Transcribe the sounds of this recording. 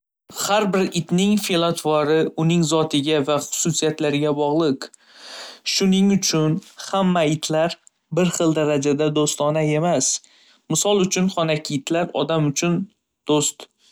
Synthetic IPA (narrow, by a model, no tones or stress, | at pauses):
haɾbɪɾɪt̪nɪŋfilˠat̪ʰvɒɾɪʊnɪŋzɒt̪ʰɪɡʲavaχʊ̥sʊsijat̪laɾɪɡʲabɒʁlˠɪq | ʃʊnɪŋʊt͡ʃʰʊnhamːaɪt̪ʰlaɾ | bɪɾχɨlˠd̪aɾad͡ʒad̪ad̪ost̪ɒnae̞mas | mɪsɒlˠʊt͡ʃʰʊnχɒnakʲʰɪɪt̪ʰlaɾɒ̰d̪amʊt͡ʃʰʊn | d̪̥ost̪